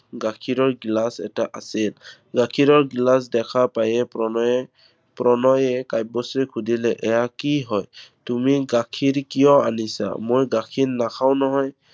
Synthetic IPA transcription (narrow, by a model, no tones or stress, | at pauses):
ɡakʰiɹɔɹɡilasɛ̰taʔa̰sil | ɡakʰiɹɔɹɡilas̬dɛkʰapajɛ | pɹɔnɔjɛkajb̚ɔsekʰudilɛʔɛjakiɦɔjtumiɡakʰiɹkijɔa̰nisa̰mojɡakʰinːakʰaw̃nɔɦɔj